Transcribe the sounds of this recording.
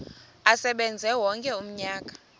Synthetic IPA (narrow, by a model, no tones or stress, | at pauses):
asɛɓɛnd͡zʱɛwɔŋkʼɛum̩ɲaːkʼḁ